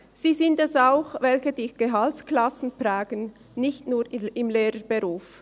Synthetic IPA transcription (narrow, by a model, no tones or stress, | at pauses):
z̥iːzɪntɛsaʊxvɛlçədiːɡ̥eɦaltklasn̩plaːɡ̥ən | nɪçtnuːɾɪmleːɾəb̥eʁuːf